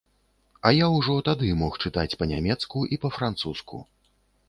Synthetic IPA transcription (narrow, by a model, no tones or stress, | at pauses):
ɐjawʐɔt̪ad̪ɨmɔxt͡ʂɨt̪at͡sʲpɐnʲamʲɛt̪skuʔipɐfɾant̪suskʰṵ